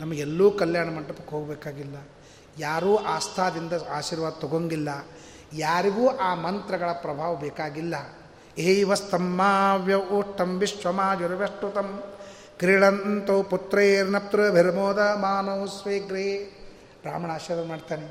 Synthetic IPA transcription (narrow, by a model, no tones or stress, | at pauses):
nɐmːɐelːuːkɐljaːɳɐmɐɳʈːɐpɐkːɦoːɡɐbɛːkaːɡilːɐ | jaːɾuːʔaːst̪ʰaːd̪ind̪ɐaːʃiːɾʋaːd̪̚t̪ɔɡoŋɡilːɐ | jaːɾiɡuːʔaːmɐnt̪ɾɐɡɐɭɐpɾɐbʱaːʋɐbɛːkaːɡilːɐ | eiʋɐst̪ʰɐmːaːʋjɐuʂʈːɐmʋiʂʋɐmaːd͡ʒɐɾɐʋeʂʈut̪ɐm | kɾiɽɐnt̪oːput̪ɾɐeɾinɐp̚t̪ɾɐbʱeɾɐmoːd̪ɐmaːnoːsʋeːɡɾeː | bɾaːmɐɳaːʃɐɾɐmaːɖt̪aːne